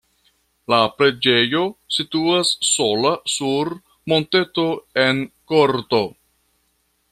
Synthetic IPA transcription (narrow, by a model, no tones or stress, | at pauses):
lapɾe̞d͡ʒe̞jo̞situasːo̞lasuɾ | mo̞nte̞to̞e̞nko̞ɾto̞